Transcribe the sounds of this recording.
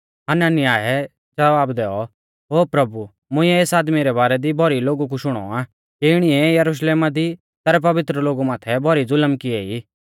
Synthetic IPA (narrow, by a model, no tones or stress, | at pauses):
ɐnanɪjaːɦɛ | d͡ʒɐʋaːbd̪ɛːɔ | ɦoːpɾɐbu | mʊ̃ɪ̃ɛeːsaːd̪miɾɛbaːɾɛd̪ibʱɔɾiloːɡuk̬uʃʊɽ̃ɔ̰a | kiɪɽ̃iɛjɐɾuʃ̬leːmad̪i | t̪ɛɾɛp̬ɐʋɪt̪ɾəloːɡumãːt̪ʰɛbʱɔɾid͡zʊləmkɪɛi